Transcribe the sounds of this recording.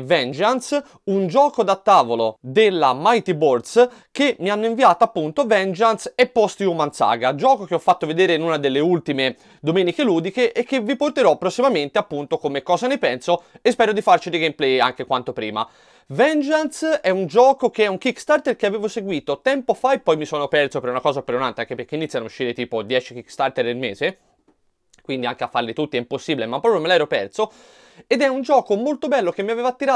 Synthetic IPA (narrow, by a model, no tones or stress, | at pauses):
vɛnd͡ʒans | und͡ʒɔːkod̪at̪ːaːvolo̰d̪elːamajt̪ibord̪s | kemːianːoiɱviaːt̪oapːunt̪ovɛnd͡ʒansepːɔst̪iumansa̰ːɡad͡ʒɔːkokeɔfːat̪ːoved̪eːɾenunad̪elːeult̪ime | d̪omɛːnikeluːd̪ikeʔekːevːiport̪eɾɔpːɾosːimament̪eapːunt̪okomekːɔːzanepɛnsoespɛːɾod̪ifart͡ʃid̪iɡɛmplɛja̰ŋkekwant̪opɾḭːma̰ | vɛnd͡ʒansɛund͡ʒɔːkokeɛuŋkikːst̪art̪erkeaveːvoseɡwiːt̪ot̪ɛmpofaepːɔjmisoːnopɛrsopeɾunakɔːzapeɾunant̪eaŋkeperk̟einit̪sjanouʃːiːɾet̪iːpod̪jɛːt͡ʃik̟ikst̪art̪eɾnelmeːze | kwind̪iaŋkeafːarlit̪ut̪ːiɛmposːiːbilemapːɔːpɾjomelɛːɾopɛrso | ed̪ɛund͡ʒɔːkomolt̪obɛlːokemːiaveːvat̪ːiɾa